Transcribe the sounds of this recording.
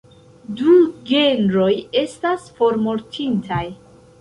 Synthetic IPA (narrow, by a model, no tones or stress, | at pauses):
duɡe̞nɾo̞je̞stasfo̞ɾmo̞ɾtʰintʰaj